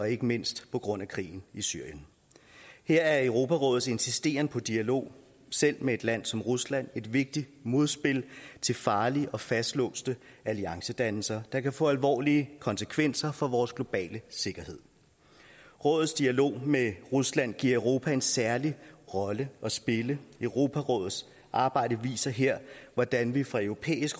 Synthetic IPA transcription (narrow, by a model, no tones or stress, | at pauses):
ɒ̽e̝ɡ̥əme̝n̰sd̥pʰɒ̽ɡ̥ʁɔ̽n̰ækʰʁḭːn̩isy̰ɐ̰jən | heɐ̰æɐeʊʁo̝ːpʰæʁɔ̽ːð̩ˠe̝nsisd̥e̝̰ːɐnəpʰɒ̽d̥iælo̝̰ː | sel̰mee̝d̥læn̰sɒ̽mʁuslæn̰e̝d̥ʋe̝ɡ̥̚d̥id̥mo̝ð̞ˠsb̥e̝lt͡sʰe̝lfɑ̈ːliʔɒ̽fæsd̥lɔ̰̽ːsd̥əæliɑ̈ŋsəd̥ænl̩sɐd̥ɑ̈kʰæfɔ̰ːælʋɒ̰ːliəkʰɒ̽nsəkʰʋen̰sɐfɒ̽ʋɒːsɡ̥lo̝b̥ɛ̰ːləse̝ɡ̥ɐhe̝ð̰ˠ | ʁɔ̽ːð̩ˠsd̥iælo̝̰ːmeʁuslæn̰ɡ̥ḭɐ̰øʊʁo̝ːpʰæe̝nsæɐliʁɒ̽ləɒ̽sb̥e̝ləœʊʁo̝ːpʰæʁɔ̽ːð̩ˠs | ʔɑ̈ːb̥ɑ̈ɪ̰d̥əʋḭːsɐɦeɐ̰ʋɒd̥ænʋifʁɑ̈œʊʁo̝pʰḛːisɡ̥